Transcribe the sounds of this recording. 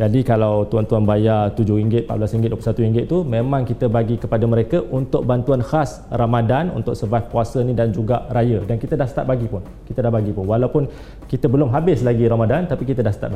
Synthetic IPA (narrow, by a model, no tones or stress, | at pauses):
d͡ʒadikalawt̪uant̪uanbajat̪ud͡ʒʊhɾiŋɡɪt̪̚pa̰ʔblasɾiŋɡɪt̪̚duəplusat̪uiŋɡɪt̪̚t̪umẽmãŋkit̪əbaɡikəpadaməɾekəʔunt̪ʊk̚bant̪uanhas | ramadanṵnt̪ʊk̚səvafkuasənĩdand͡ʒuɡaʔɾajədankit̪ədahsə̥t̪at̪̚baɡipʊn | kit̪ədahbaɡipʊnwalawpʊn | kit̪əbəlʊmɦabɪslaɡiɾamadant̪apikit̪ədahsət̪a̰t̪̚b